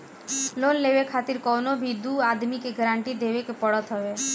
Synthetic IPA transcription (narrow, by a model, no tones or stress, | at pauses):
lonlebekʰat̪iɾkɔwnobʱid̪uad̪mikeɡɾaɳʈid̪ebekepɔɽat̪ɦɔbe